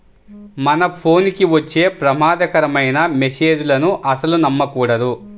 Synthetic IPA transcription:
mɐnɐpʰo̞ːnkiʋɐt͡ʃːe̞ːpɾɐmaːd̪ɐkɐɾɐmɐjnɐmese̞ːd͡ʒulɐnuʔɐsɐlunɐmːɐkuːɽɐd̪u

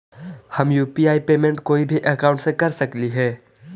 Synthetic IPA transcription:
hɐmjuːpiaːipeːmẽɳʈkoːibʱiʔɐkãːʊ̃ɳʈsẽkɐɾsɐkliɦɛː

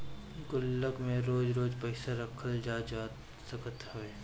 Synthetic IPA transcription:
ɡʊlːəɡmẽɾoːd͡ʒɾoːd͡ʒpəɪsaɾɐkʰəld͡ʒaːd͡ʒa | sɐkət̪hʊeː

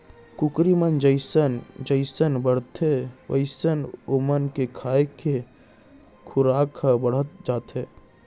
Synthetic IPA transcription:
kʊkɾimənd͡ʒəɪsənd͡ʒəɪsənbəɽ̤t̪ʰeʋə̰ɪsənomənkekʰaːekʰe | kʰʊɾaːkʰabəɽ̤ət̪̚d͡ʒaːt̪ɦeː

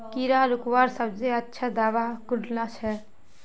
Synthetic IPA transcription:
kiɾalukwaɾsəbd͡ʒeətːʃʰad̪aːʋakuɖlat͡ʃʰɛ

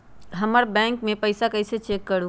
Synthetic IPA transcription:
ɦəməɾbɛ̃ŋkmẽpəɪsakəɪset͡ʃekːəɾu

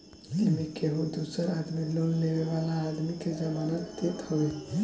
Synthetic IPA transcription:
emikeɦũd̪usəɾad̪milolleweʋalaːd̪miked͡ʒəmanət̪ːet̪hɔbe

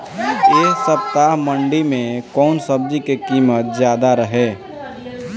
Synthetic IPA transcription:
eːsəpt̪aɦmə̃ɳɖimẽkɔːnsəb̚d͡ʒikekiːmət̪̚zjaːd̪aɾəɦeː

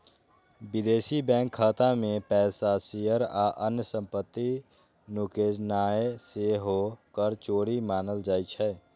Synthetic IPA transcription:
bɪd̪eːsibɛ̃ːŋkʰːəːt̪amẽpɛːsasijəɾa̰ʔənjəsə̃mpət̪ːi | nukeːd͡ʒnaːeseɦokəɾt͡ʃoːɽimaːnəld͡ʒaːit͡ʃʰɛː

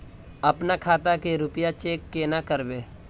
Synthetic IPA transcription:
ɐpnakʰaːt̪akeɾʊpjat͡ʃeːkːenakəɾʋeː

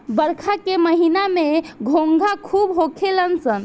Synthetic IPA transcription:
bəɾkʰakeməɦinameɡʱõŋɡʱakʰubɦokʰelənsən

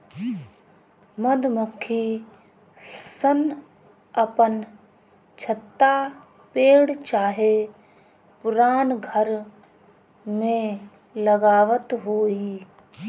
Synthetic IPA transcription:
mɐd̪məkʰːi | sən | ɐpən | t͡ʃʰət̪ːa | peːɽt͡ʃaːɦe | pʊɾaːnɡʱəɾ | mẽ | ləɡaːʋət̪ɦoːiː

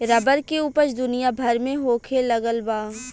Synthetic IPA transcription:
ɾɐbəɾkeuːpət͡ʃd̪ʊnijabʱɐɾmẽɦoːkʰelɐɡəlbaː

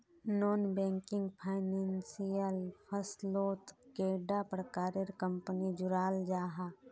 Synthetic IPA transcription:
nɔːnbɛ̃ːŋkɪ̃ŋɡpʰaːɪnɛ̃ːnsijəlpʰəsloːt̪keːɖapɾəkaːɾeɾkə̃mpənid͡ʒʊɾaːld͡ʒaːɦaː

